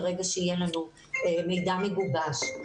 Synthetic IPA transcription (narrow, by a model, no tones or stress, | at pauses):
ʁe̞ɡaʃeijelanu | emejd̪ameɡubaʃ